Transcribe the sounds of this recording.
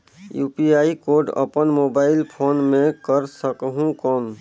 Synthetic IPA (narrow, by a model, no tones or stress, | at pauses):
juːpiaːikoːɾɖə̰pənmoːbaːɪlpʰoːnmẽkəɾsəkɦũkɔːn